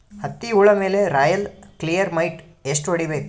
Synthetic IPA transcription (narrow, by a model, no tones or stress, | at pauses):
hɐt̪ːiuːɭɐme̞ːle̞ɾaːjɐlklijɐɾmɐjʈ | esʂ̬ʈʋɐɽibe̞ːku